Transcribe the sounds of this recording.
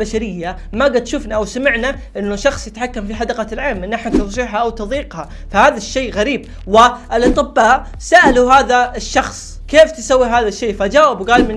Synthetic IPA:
aʃaɾɪjːa | maɡad̪ʃʊfnaʔawsamɪʕna | ʔɪnːʊʃɑxsˤjɪt̪ħakːamfiħad̪ɑqɑlʕeːmʔɪnʔaħnat̪ɑˤʃiːʕħaʔawt̪ʊðˤiːqha | fahaːðaʃːeːɣaɾiːb | wɪɪlʔɑt̪ˤɨbːaːʔ | saʔaluɦaːðaɪʃːɑxsˤ | keːft̪ɪsawːiɦaːðaʃːeːfad͡ʒaːwɪbwɡaːlmɪ

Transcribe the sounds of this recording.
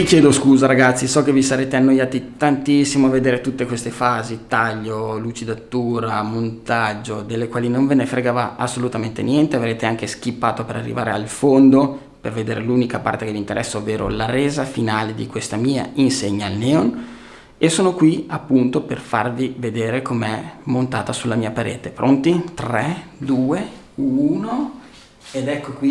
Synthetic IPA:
t̪ikjɛːd̪oskuːzaɾaɡat̪sːisɔkevisaɾeːt̪eanːojaːt̪it̪ant̪isːimoaved̪eːɾet̪ut̪ːekwest̪efaːzit̪aʎːolut͡ʃid̪at̪ːuːɾamont̪ad͡ʒːod̪elːekwaːlinoɱvenefɾeɡaːvaasːolut̪ament̪ḛnjɛnt̪eavɾeːt̪eaŋkesk̟ipːaːt̪opeɾarːḭvaːɾealfond̪o | perved̪eːɾeluːnikapa̰rt̪ekelint̪eɾʔɛsːaovːeːɾʔo̰laɾeːzafinaːled̪ikwest̪amiːa̰inseɲːaːlnɛːon | esoːnokwiapːunt̪operfarvived̪eːɾekomeɛmont̪aːt̪asulːamiːapaɾḛːt̪epɾʔont̪it̪rɛd̪uːe | uːno | ed̪ɛkːokwi

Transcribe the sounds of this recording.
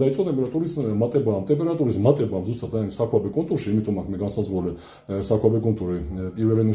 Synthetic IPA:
aisʼɔt̪ʼɛmpʼɛɾat̪ʼuɾismat̪ʼɛbaːmt̪ʼɛmpʼɛɾat̪ʼuɾismat̪ʼɛbamzust̪ʼat̪ʰaimsakʰabɛkʼɔnt̪ʼuɾʃiːmit̪ʼɔmakʰmɛɡansazʁulɛ | sakʰwabɛkʼɔnt̪ʼuɾipʼiɾvɛlɛnu

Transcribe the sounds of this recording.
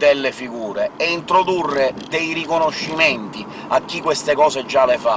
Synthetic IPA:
d̪ɛlːefiɡuːɾeɛint̪ɾod̪urːed̪ɛjrikonoʃːimɛnt̪i | akːikːwest̪ekɔːsed͡ʒːalefa̰

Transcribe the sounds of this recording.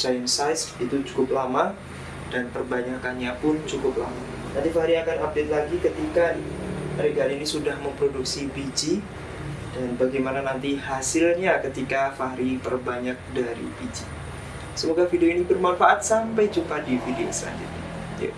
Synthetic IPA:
sajənsajsit̪ut͡ʃu̥kʊp̚lama | danpərbaɲakanɲapʊnt͡ʃukʊp̚la̰ma | nant̪ifahɾiakanap̚dɛt̪̚laɡikət̪ika | ɾiɡalinisudahməmpɾoduksibid͡ʒi | danbaɡajmananant̪ihasɪlɲakət̪ikafaɦɾip̪ərbaɲak̚daɾḭbid͡ʒi | səmoɡafidioinibərmanfaʔat̪̚sampajt͡ʃukadifidiosa̰nd͡ʒa̰t̪i | ja̰

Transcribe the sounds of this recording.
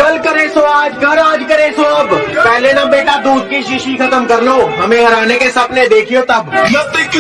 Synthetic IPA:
əlkɐɾesoaːd͡ʒɡʱɐɾaːd͡ʒkɐɾesoɐbpɛɦlenabeːʈad̪uːd̪̚kiʃiʃikʰɐt̪əmkɐɾloɦɐmẽɦɐɾaːnekesɐbned̪eːkʰijot̪ɐblɐt̪ɪk

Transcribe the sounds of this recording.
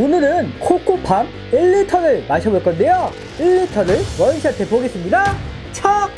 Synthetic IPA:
onɯɾɯnkʰok͈ʰupʰam | iɭːitʰʌɾɯɭmaɕʰʌboɭk͈ʌnde̞jo | iɭːitʰʌɾɯɭwʌiɕʰiantʰepoɡe̞s͈ɯmɲida | t͡ɕʰʌk̚

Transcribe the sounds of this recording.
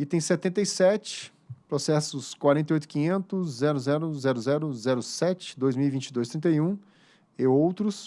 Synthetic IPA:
ɪt̪ẽj̃sɛt̪ẽnt̪ejsɛt͡ʃɪ̥ | pɾosɛsʊskwaɾẽt̪ejojt̪ʊ̥kĩɲẽnt̪ʊsːɛɾʊzɛɾʊzɛɾʊzɛɾʊzɛɾʊsɛt͡ʃɪ̥d̪ojzmiuwivĩt͡ʃɪd̪ojst̪ɾĩnt̪eiũ | ɪowt̪ɾʊs

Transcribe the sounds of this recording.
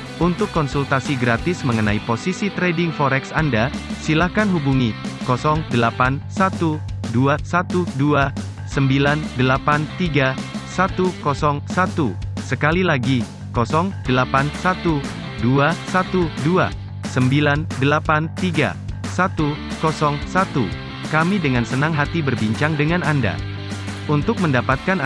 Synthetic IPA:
unt̪ʊkːɔnsult̪asiɡɾat̪ɪsməŋənaiposisit̪ɾedɪŋfɔɾɛksandasilahkanɦubuŋikɔsɔŋdəlapansat̪uduasat̪udua | səmbilandəlapant̪iɡasat̪ukɔsɔŋsat̪usəkalilaɡi | kɔsɔŋdəlapansat̪u | duasat̪udua̰ | səmbilandəlapant̪iɡa̰ | sat̪ukɔsɔŋsat̪u | kamidəŋansənaŋɦat̪ibərbiɲt͡ʃaŋdəŋananda̰ | unt̪ʊk̚məndapat̪̚kan

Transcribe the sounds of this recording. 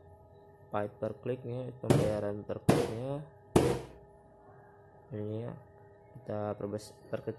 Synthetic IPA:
paɪt̪̚pərklɪk̚ɲapəmbajaɾanpərklɪk̚ɲa | iɲa̰ | kit̪abspərkik

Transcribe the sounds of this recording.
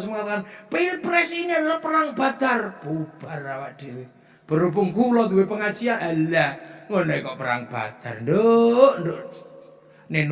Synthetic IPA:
smŋat̪akanpiilpɾɛsiɲenlɔʔpəɾaŋb̥a̤t̪arpub̥arawaʔd̪̥e̤we | b̥ə̤ɾupuŋkulɔd̪uwepəŋat͡ʃianʔalaŋonɔikɔʔpəɾa̰ŋb̥a̰t̪a̰rndoʔnd̪oʔ | nen

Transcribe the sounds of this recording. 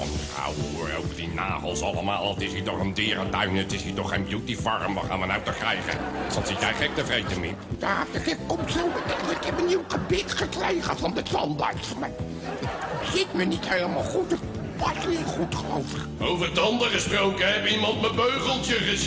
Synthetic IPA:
ɔ̰ndəχa̰wəʊ̰ːro̰wvərdina̰ːχəlˠsɑləmaːlˠɑtɪsitɔχəndɪːɾədœɥnətɪsitɔχejnbjutivɑrəmʋɑ̰χa̰ːnʋənawtəkrɛjχə̰sɑnsɪtjɛjχɛk̚təvrejtəmɪpdaftəχɛtkɔmtsowtɛəɪkɛpəniwχəbɪtχəkrejχəvɑndətɑnda̰ɹtmaː | dətzɪtmənithejləmaːlˠχutət | pɑsniəχutχəlo̰wvəχowvərtɑndəχəsprowkəɛbimɑntməbøɥχəlˠtəχəz

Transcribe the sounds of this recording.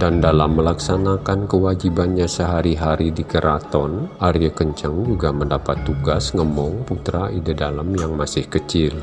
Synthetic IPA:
dandalamːəlaksanakankəwad͡ʒibanɲasəɦaɾiɦaɾidikəɾʔat̪ɔnaɾijəkəɲt͡ʃəŋd͡ʒuɡaməndapat̪ːuɡasŋəmɔŋput̪ɾaʔidədalamjaŋmasɪhkət͡ʃɪl

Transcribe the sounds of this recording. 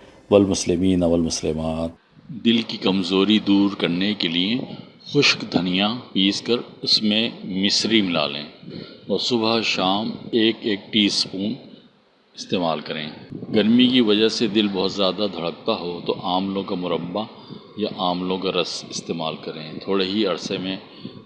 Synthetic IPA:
wɐlmʊslɪmiːnɐʋɐlmʊslɪmaːt̪ | d̪ɪlkikɐmzoːɾid̪uːɾkɐɾnekelie | xʊʃkd̪ʱɐnijapiːskɐɾʊsmẽmɪsɾimɪla̰ːlḛ̃ːɔːɾsʊbəʃaːmeːkeːk̚ʈiːspuːn | ɪst̪eːmaːlkɐɾḛ̃ːɡɐɾmikiʋɐd͡ʒəɦsed̪ɪlbɔːt̪zjaːd̪ad̪ʱɐɽək̚t̪aɦot̪oʔaːmlõkamʊɾəbːa | jaʔaːmlõkaɾɐsɪst̪eːmaːlkɐɾẽːt̪ʰoːɽeɦiɐɾsemẽ

